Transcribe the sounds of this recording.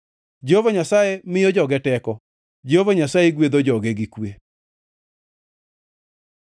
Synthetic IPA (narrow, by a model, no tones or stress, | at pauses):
d͡ʒehovaɲasajemɪjɔd͡ʒɔɡɛtɛkɔ | d͡ʒehovaɲasajeɡwed̪od͡ʒɔɡeɡikwe